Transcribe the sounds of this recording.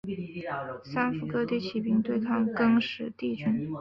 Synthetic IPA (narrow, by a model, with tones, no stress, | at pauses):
sa˥nfu˧˩kɤ˥t̪i˥˩t͡ɕʰi˨˩pi˥ŋt̪we˥˧ɪkʰɑ˥˩ŋkɤ˥ŋʂɻ̩˨˩t̪i˥˩t͡ɕy˥n